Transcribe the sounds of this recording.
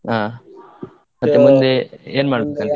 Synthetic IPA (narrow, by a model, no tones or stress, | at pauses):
ɦãː | mɐt̪ːemʊ̃nd̪ʱeeːɾmaːɽbekan